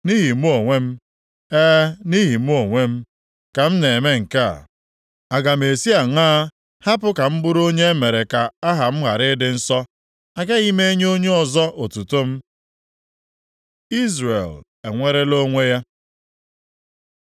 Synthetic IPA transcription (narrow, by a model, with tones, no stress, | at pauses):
ni˦ɦi˨m̩˦o˨ŋʷe˦m̩˦ | e˦ni˦ɦi˨m̩˦o˨ŋʷe˦m̩˦ | ka˨m̩˦ne˨e˨me˦ŋ̩˨ka̰˦˨ | a˨ɡa˨m̩˨e˨si˦a˨ŋaː˦ | ha˦pʊ˦ka˨m̩˦bʊ˦ɾo˦ɲe˦me˨ɾe˨ka˨a˦ɦa˨m̩˦ɦa˨ɾɪ˦dɪ˨n̩˦sɔ˦ | a˨ɡa˦ɣi˦me˦ɲ˦o˦ɲe˦ɔ˨zɔ˦ʔo˨tu˨to˦m̩˦ | i˦zɾḛ˨l | e˨ŋʷe˦ɾe˦lo˦ŋʷe˦ja˦